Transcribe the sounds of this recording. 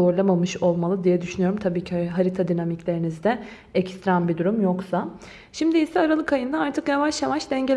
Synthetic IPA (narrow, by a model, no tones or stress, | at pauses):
oɾlˠamamɯʃo̞lˠmalˠɯd̪ijɛd̪yʃynyjo̞ɾumt̪ʰabiːcʰiɦaɾit̪ʰad̪inamiclʲe̞ɾinizd̪ɛ | ɛcst̪ɾanbid̪uɾumjoksa | ʃimd̪iisɛaɾalˠɯkajɯnd̪aaɾt̪ʰɯkjavaʃjavaʃd̪ɛɲɟelʲ